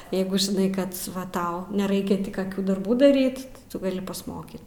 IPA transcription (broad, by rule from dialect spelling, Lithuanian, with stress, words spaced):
ˈjɛɪɡʊ ʒʲɪˈnɐɪ ˈkɐt ˈʋɐ ˈtɐʊ nʲɛˈrɐɪkʲɛ ˈtʲɪ kɐˈkʲuː dɐrˈbuː dɐˈrʲiːt tʲɪ ˈtʊ ɡɐˈlʲɪ pɐsˈmoːkʲiːt